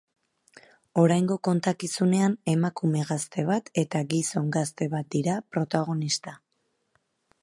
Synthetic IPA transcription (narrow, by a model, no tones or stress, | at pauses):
o̞ɾajŋɡo̞ko̞nt̪akisune̞ane̞makume̞ɣast̪e̞β̞at̪e̞t̪aɡiso̞ŋɡast̪e̞β̞at̪̚d̪iɾapɾo̞t̪aɣ̞o̞nist̪a